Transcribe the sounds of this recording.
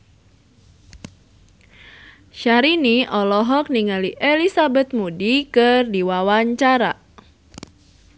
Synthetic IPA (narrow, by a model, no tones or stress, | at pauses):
ʃaɾiniʔɔlɔɦɔk̚niŋaliʔelisabɛt̪̚mudikɨrdiwawaɲt͡ʃaɾa